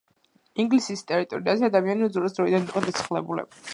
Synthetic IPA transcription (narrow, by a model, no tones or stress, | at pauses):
iŋɡlisist̪ʼɛɾit̪ʼɔɾiazɛad̪amianiuzuɾas̬d̪ɾɔid̪aniqʼɔd̪asʰχlɛbulɛ̰ba